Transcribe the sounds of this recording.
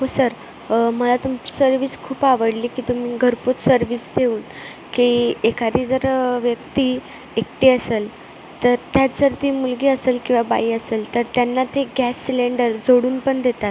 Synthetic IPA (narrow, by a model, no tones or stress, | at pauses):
ɦosəɾ | məlat̪umt͡ɕi̥səɾʋiːskʰuːpaʋəɽliːkiːt̪um̤iːɡʱəɾpot͡ssəɾʋiːsd̪ʱeuːn | kiekaɾiːd͡zəɾʋjəkt̪iː | ekt̪iːəseːl | t̪əɾt̪jad͡zəɾt̪iːmulɡiːəseːlkĩw̃ʋaba̰iːəseːlt̪əɾt̪janːat̪ʰeɡæsːileɳɖəɾd͡zoɽuːnpəɳd̪et̪at̪